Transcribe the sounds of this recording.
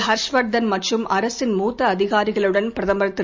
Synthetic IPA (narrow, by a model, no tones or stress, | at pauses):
ɦɐɾʂʋɐʈ̚d̪ɐnmɐʈrɯmʔɐɾɐsɪnmuːt̪ːɐːðɪɣaːɾɪɣɐɭɯɽɐnpɾɐðɐmbɐɾɐt̪ːɪ